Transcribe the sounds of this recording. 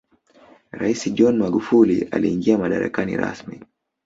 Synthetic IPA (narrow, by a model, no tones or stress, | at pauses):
ɾaisiʄɔnmaɠufulialiːŋɡiamaɗaɾa̰kanḭɾa̰smi